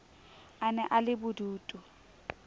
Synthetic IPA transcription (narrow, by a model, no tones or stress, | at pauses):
anɛʔalɪbʊduːtʼu